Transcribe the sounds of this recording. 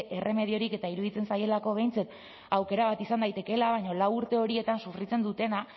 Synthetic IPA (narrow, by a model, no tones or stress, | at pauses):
ʔe̞re̞me̞ð̞io̞ɾike̞t̪aiɾuðit͡se̞nsaje̞lako̞β̞e̞jnt͡set̪ | awke̞ɾaβ̞at̪isand̪ajt̪e̞ke̞laβajɲo̞lawuɾt̪e̞o̞ɾie̞t̪ansufɾit͡se̞nd̪ut̪e̞na